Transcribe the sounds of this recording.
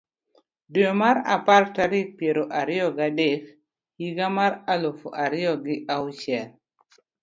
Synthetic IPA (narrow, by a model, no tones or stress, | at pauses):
doomaɾa̰partaɾik̚pjeɾoʔaɾɪjɔɡadek | hiɡamaɾalofoʔaɾɪɔɡɪʔawt͡ʃɛl